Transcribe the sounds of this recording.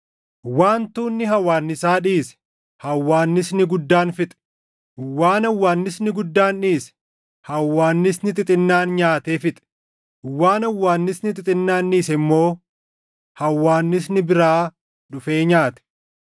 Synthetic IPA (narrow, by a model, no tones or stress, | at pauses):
waːnt̪uːnːɪɦɐwaːnːɪsaːᶑiːsɛ̥ | hɐwːaːnːɪsnɪɡʊd̪ːaːnfɪt̪ʼɛ̥ | waːnɐwːaːnːɪsnɪɡʊd̪ːaːnᶑiːsɛ̥ | hɐwːaːnːɪsnɪt̪ʼɪt̪ʼɪnːaːnɲaːt̪eːfɪt̪ʼɛ̥ | waːnɐwːaːnːɪsnɪt̪ʼɪt̪ʼɪnːaːnːiːsɛɪmːo̞ː | hɐwːaːnːɪs̬nɪbɪɾaː | ᶑʊfe̞ːɲaːt̪ɛ̥